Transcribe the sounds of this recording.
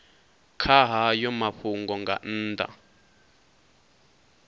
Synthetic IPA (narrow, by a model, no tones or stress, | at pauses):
kʰaɦajɔmaɸuŋɡɔŋɡa̰n̩ːda̰